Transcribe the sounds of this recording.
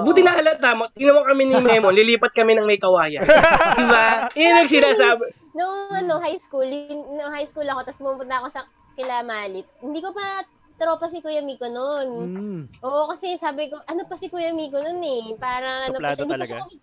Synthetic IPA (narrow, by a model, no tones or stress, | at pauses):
buːt̪ɪnɐhɐlɐaːmot̪̚ɡɪnɐmokɐmɛnɪmɛmonlɪliːpɐt̪̚kɐmɛnɐŋmɐjkɐwaːjɐd̪ɪbanɐɡ̚sɪnaːsaːbɛ | noŋʔɐnoɦajskuːlɪŋnoŋhajskuːlɐko̞t̪ɐsʊmupʊt̪ɐɐko̞sɐ | kɪlaːmaːlɪt̪̚hɪnd̪iːkopɐ | t̪ɾoːpɐs̬ɪkʊjɐmiːkononʔoːʔokɐsɛsaːbɪko̞ʔɐnopɐsɪkʊjɐmiːkononɛpaːɾɐŋʔɐnopɐnd̪ikɐs